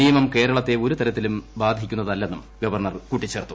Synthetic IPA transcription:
ijɐmɐmke̞ːɾɐɭɐt̪ːe̞o̞ɾut̪ɐɾɐt̪ːilumbaːd̪ʱikʲːunːɐðɐlːe̞nːum | ɡɐʋɐrɳɐrkuʈːit͡ɕːeːrt̪u

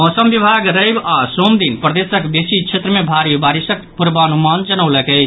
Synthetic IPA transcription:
ɦɔsəmbibʱaɡɾəɪbasomd̪inpɾəd̪esəkb̪esit͡ʃʰet̪ɾəmebʱaɾibaɾisək̚puɾbəːnumand͡ʒənəʊləkəɪt͡ʃʰ

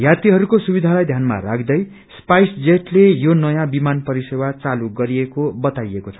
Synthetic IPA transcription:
jat̪iɦʌɾukosubid̪ʱalajd̪ʱjanma̰ɾakʰd̪ʌj | spajsd͡zeʈlejonʌjãbimanpʌɾisewat͡saluɡʌɾiekobʌt̪ajekot͡sʰʌ̥

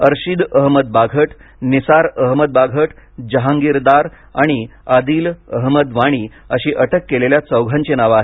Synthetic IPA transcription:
əɾɕid̪əɦməd̪̚baɡʱəʈnisaɾəɦməd̪̚baɡʱəʈd͡ʑəɦãŋɡiɾd̪aɾ | a̰ɽ̃iad̪iːləɦməd̪ʋaɽ̃iː | əɕiːʔəʈʰəkːeleljat͡səwɡʱãɲt͡ɕenaʋaɦe

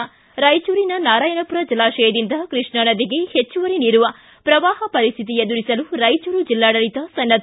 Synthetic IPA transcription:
ɾɐjt͡ʃuːɾinɐnaːɾaːjɐnɐpuɾɐd͡ʒilaːʃɐjɐd̪ind̪ɐkɾiʂɳɐnɐd̪iɡe̞het͡ʃːuʋɐɾeniːɾuʋɐ | pɾɐʋaːɦɐpɐɾist̪ʰit̪ied̪uɾisɐluɾɐjt͡ʃuːɾud͡ʒilːaːɽɐɭit̪ɐsɐnːɐt̪

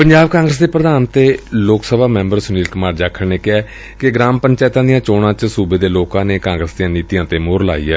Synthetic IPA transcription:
pəɲd͡ʒaːbkãːŋɡɾəs̬d̪eːpɾəd̪aːnt̪eːloːksəbʱaːmɛ̃ːmbəɾsʊniːlkəmaːɾd͡ʒaːkʰːəɳneːkɪɛː | kɪɡɾaːmpəɲt͡ʃɛːt̪ãːd̪ijãːt͡ʃoːɽãːt͡ʃsuːbeːd̪eːloːkãːneːkãːŋɡɾəsd̪ijãːniːt̪ijãːt̪eːmoːɾla̰ːḭːɛ̰ː

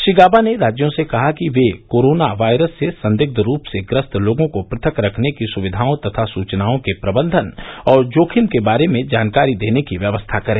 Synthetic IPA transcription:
ʃiɡaːbaneɾaːd͡ʒjõsekɐɦakiʋekoːɾoːnaʋaːɪɾəsːesɐ̃nd̪ɪɡ̚d̪ʱɾuːpseɡɾəst̪ʰloːɡõkopɾɐt̪ʰəkɾɐkʰnekisʊʋɪd̪ʱaːõt̪ɐt̪ʰasuːt͡ʃnaːõkepɾɐbə̃nd̪ʱənɔːɾd͡ʒoːkʰɪmkebaːɾemẽd͡ʒaːnkaːɾid̪eːnekiʋjɐʋəst̪ʰakɐɾẽː

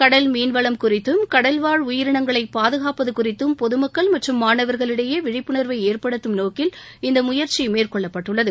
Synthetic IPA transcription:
kɐɽɐlmiːnʋɐɭɐmkʊrɪt̪ːɯmkɐɽɐlʋaːɻʊjɪɾɪɳɐŋɡɐɭɐɪpːaːðɯɣaːpɐðɯkʊrɪt̪ːɯmpɔðɯmɐkːɐɭmɐʈrɯmːaːɳɐʋɐɾɣɐɭɪɽɐjeːʋɪɻɪpːɯɳɐɾʋɐɪeːɾpɐɽɯt̪ːɯmnoːkɪlɪnd̪ɐmʊjɐɾt͡ʃimeːrkɔɭːɐpːɐʈːɯɭːɐðɯ

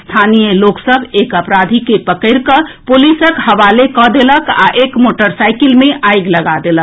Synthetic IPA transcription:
st̪ʰanijəloksəbʱekəpɾad̪ʱikepəkəɪɾkəpolisəkhəʋalekɔd̪eləka̰ʔekmoʈəɾsaɪkilmẽʔʔajɡləɡad̪elək

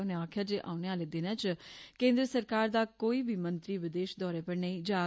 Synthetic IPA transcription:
ʊneaːkʰjaːd͡ʒeːʔa̰ːʊneaːleːd̪ɪnaːt͡ʃkẽːnd̪ɾəsəɾkaːɾd̪aːkoːiːbʱiːmənt̪ɾiːʋɪd̪eːʃd̪ɔːɾeːpəɾnəːĩːd͡ʒaː

